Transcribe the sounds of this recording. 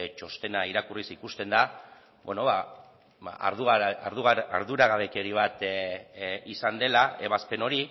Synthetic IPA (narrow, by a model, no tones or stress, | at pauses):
t͡ʃo̞st̪e̞naiɾakurisikust̪e̞nd̪a | beno̞βa̰ | a̰ɾðuɣaɾðuɣaɾðuɾaɣaβe̞keɾiβ̞at̪ | isand̪e̞lae̞βaspe̞no̞ɾi